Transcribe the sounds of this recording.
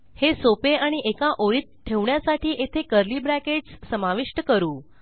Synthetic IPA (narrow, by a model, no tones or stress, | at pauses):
hesopeaɽ̃iʔekaʔoɾiːt̪̚ʈ̪ʰeʋɳjasaʈʰiːʔet̪ʰekəɾliːbɾækeʈssəmaʋiʂʈəkəɾuː